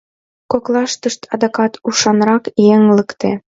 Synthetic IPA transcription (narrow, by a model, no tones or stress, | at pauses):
koklɑʃt̪ɤ̆ʃt̪ʰɑd̪ɑkɑt̪uʃɑnɾɑkjeŋləkt̪e